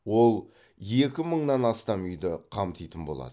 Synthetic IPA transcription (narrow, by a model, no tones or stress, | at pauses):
wo̞lˠ | e̞kʲɪməɴnɑnɑst̪ɑmʏjd̪ɪqʰɑmt̪ʰijt̪ənbolˠɑ̰d̪ə